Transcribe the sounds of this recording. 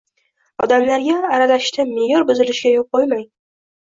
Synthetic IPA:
ɒd̪amlaɾɡʲaːɾalaʃt̪ʰamejɒɾbʊzɪlɪʃɪɡʲajɒp̚qojmaj

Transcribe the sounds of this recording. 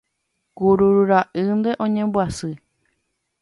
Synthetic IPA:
kuɾuɾuɾaʔɨnd̪eʔõɲẽmbɨasɨ

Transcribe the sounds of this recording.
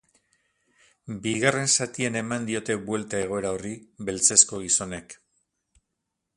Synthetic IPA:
biɣare̞nsat̪iene̞mand̪io̞t̪e̞bwe̞lt̪ae̞ɣ̞o̞e̞ɾaoribe̞lt͡se̞sko̞ɣ̞iso̞ne̞k

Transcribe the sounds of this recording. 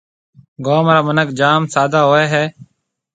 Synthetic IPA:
ɡoːmɾaːmənəkd͡ʒaːmsaːd̪aːɦoːeːɦɛː

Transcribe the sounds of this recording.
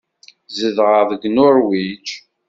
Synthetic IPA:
zəðʁəvəɡnʊɾwit͡ʃ

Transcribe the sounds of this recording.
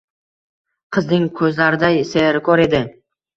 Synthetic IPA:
qʰɨznɪŋkʰɵzlaɾɪd̪ajseɾkʰɒɾe̞d̪ɪ

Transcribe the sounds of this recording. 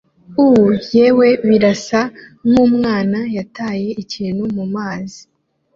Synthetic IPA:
uwuje̞ːwe̞βiɾasanuːmŋaːnajataːje̞ʔiciːnhumumaːzi

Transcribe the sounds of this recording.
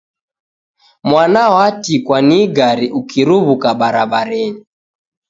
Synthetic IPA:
mwanaɔatikwaniɡaɾiʔukiɾuβukaɓaɾaɓaɾɛɲi

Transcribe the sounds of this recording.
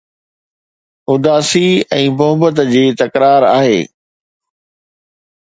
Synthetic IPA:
ʊd̪aːsiɛ̃ːmʊɦəbət̪d͡ʑiːt̪ɐkɾaːɾa̰ːɦḛː

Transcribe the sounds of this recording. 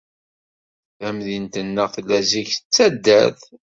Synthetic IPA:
æmðint̪ənːəʁθlːæziçt͡sːæd̪ːæθ

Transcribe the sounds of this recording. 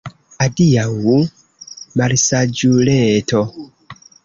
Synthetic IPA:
adijawu | maɾisad͡ʒulɛtʰɔ

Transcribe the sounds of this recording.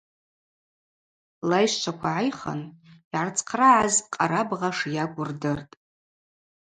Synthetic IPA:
lajʃt͡ʃʷʰakʷʰaʕajχa̰niʕart͡sʰʼqʰraʕazqʼaɾabʁaʂjaɡʷʊrdɨrtʼ

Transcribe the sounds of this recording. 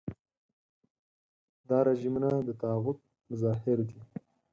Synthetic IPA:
d̪ɑːɾaʒimunad̪ət̪aɑɣʊt̪̚ | mʊzɑːhɪɾd̪i

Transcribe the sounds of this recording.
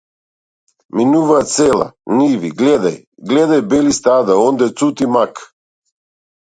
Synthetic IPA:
minuvasɛlˠa̰nivḭɡlɛd̪aj | ɡlɛd̪ajbɛlist̪ad̪aɔnd̪ɛt̪sut̪imak

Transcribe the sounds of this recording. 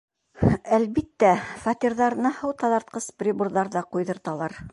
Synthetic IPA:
ælβit̪ːæfat̪ʲiɾðɑɾɤ̆nɤhɤwt̪ɑðɑɾt̪̚qɤsprʲibuɾðɑɾðɑqujðɤ̆ɾt̪ɑlˠɑɾ

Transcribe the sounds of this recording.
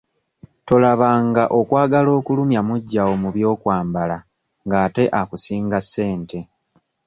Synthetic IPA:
to̞laβaːŋɡaʔo̞kwaːɡalo̞ːkulumjamuɟːawo̞muβjo̞ːkwaːmbala | ŋɡaːte̞ʔakusiːŋɡasːe̞ːnte̞

